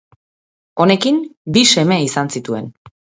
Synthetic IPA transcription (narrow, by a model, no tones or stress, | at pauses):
o̞ne̞kimbise̞me̞isansit̪ue̞̰n